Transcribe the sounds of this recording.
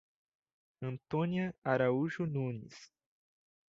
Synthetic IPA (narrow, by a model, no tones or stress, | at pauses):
ɐ̃nt̪õniɐaɾauʒʊnũnis